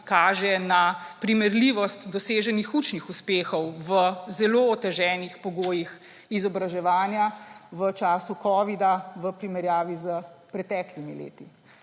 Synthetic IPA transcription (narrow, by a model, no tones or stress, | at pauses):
kaːʒɛnapɾimɛɾliʋɔst̪d̪ɔseːʒɛnixut͡ʃnixuspeːxɔwʋəzɛloːt̪ɛʒɛːnixpɔɡoːjix | izɔbɾaʒɛʋaːnjaʋət͡ʃaːsukɔːʋid̪aʋəpɾimɛɾjaːʋizəpɾɛt̪ɛːklimilḛːt̪i